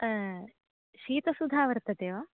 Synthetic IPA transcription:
ʃiːt̪ɐsud̪ʱaːʋɐɾt̪ɐd̪eːʋaː

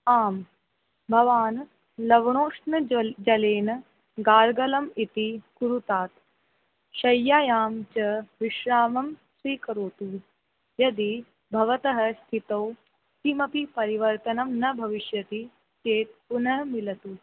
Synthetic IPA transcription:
aːm | bʱɐʋaːn | lɐʋɳoːʂnɐd͡ʒɐleːnɐ | ɡaːɾɡɐlɐmit̪ikuɾut̪aːt̪ | ʃɐjːaːjaːmt͡ʃɐʋiʃɾaːmɐmsʋiːkɐɾoːt̪u | jɐd̪i | bʱɐʋɐt̪ɐɦɐst̪ʰit̪ɐw | simɐpipɐɾiʋɐɾt̪ɐnɐmnɐbʱɐʋiʃjɐt̪i | t͡ʃeːt̪̚punɐɦɐmilɐt̪u

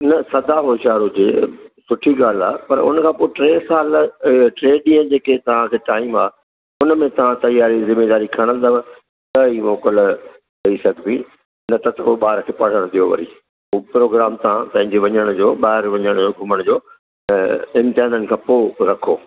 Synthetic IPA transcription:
nɐsɐd̪ʱaɦoːʃaːɾɦʊd͡ʑeːsʊʈʰiɡaːl̤a̰ːpɐɾʊ̰nəkʰãːpoːʈɾeːsaːlʈɾeːɗĩə̃d͡ʑeːket̪ɐʋ̤ãkʰeːʈaːɪmaː | ʊnmẽt̪ɐʋ̤ãt̪ɐjaːɾizɪmeːd̪aːɾikʰɐɽ̃ə̃nd̪əʋ̃ | t̪ɐimoːkəl | ɦɐisɐɡʱbĩ | nɐt̪ɐt̪ɐpoːɓaːɾkʰeːpɐɽ̤əɽ̃d̪ijoʋɐ̰ɾḭː | oːpɾoːɡɾaːmt̪ãpɐ̃ɦɪ̃ɲd͡ʑeʋɐɲəɽ̃ʊd͡ʑoːɓaːɦɪɾʋɐɲəɽ̃d͡ʑoːɡʱʊməɽ̃d͡ʑoː | ɪ̃mt̪ɪaːnənɪ̆kʰãːpoːɾɐkʰoː

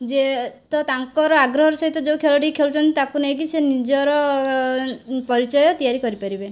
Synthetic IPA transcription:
d͡ʒet̪ɔt̪aŋkɔɾɔaɡɾɔɦɔɾsɔɦit̪ɔd͡ʒewkʰelɔʈiikʰelut͡ʃʰɔnt̪it̪akunejk̬isenid͡ʒɔɾɔ | pɔɾit͡ʃɔjɔt̪ijaɾikɔɾipaɾibe

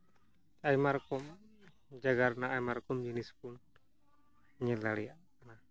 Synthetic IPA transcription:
ajmarkɔm | d͡ʒaɡarnaajmarkɔmd͡ʒənispun | ɲəlalia | na

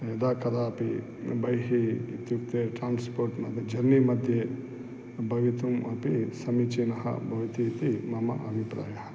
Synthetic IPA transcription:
ed̪aːkɐd̪aːɐpi | bɐjɦiːt̪juk̚t̪eʈɾaːnspoːɾʈmɐd̪ʱjɐd͡ʒɐnnimɐd̪ʱje | bɐʋit̪umɐpisɐmit͡ʃinɐɦɐ̰bʱɐʋit̪iːt̪imɐmɐ̰ɐ̰bʱipɾa̰ːjɐɦɐ

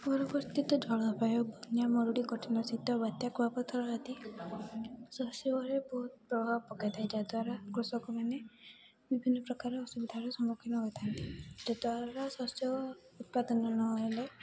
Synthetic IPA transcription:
pɔɾɔbɔɾt̪it̪ɔd͡ʒʱɔɭɔɔpajɔbɔnjamɔɾuɽikɔʈʰinɔsit̪ɔbat̪jakʰubapɔt̪ʰɔɾɔɦad̪i | sɔsjɔɔɾebɔɦut̪̚pɾɔbʱawɔpɔkad̪ʰʱajd͡ʒad̪waɾakɾusɔkɔmane | bibʱinːɔpɾɔkaɾɔːsubid̪ʱaɾɔsɔmukʰinɔɦɔjt̪ʰant̪id͡ʒad̪waɾasɔsjɔ | ut̪̚pad̪ɔnɔnɔele

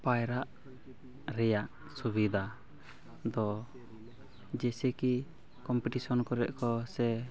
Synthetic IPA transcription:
pajɾaʔ | ɾɛjaʔ | subid̪ʱa | d̪ɔ | d͡ʒɛsɛki | kɔmpɛʈisɔnkɔɾɛ̰ʔ̚kɔsɛ

